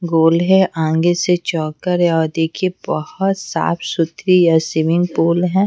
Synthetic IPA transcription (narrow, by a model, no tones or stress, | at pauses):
ɡoːlɦɛ̃ʔãːŋɡeset͡ʃɔːkːəɾɦɛ̃ɔːɾd̪eːkʰiebɐhɔt̪sa̰ːpʰsʊt̪ɾijasɪʋɪ̃ŋɡpoːlɦɛ̃ː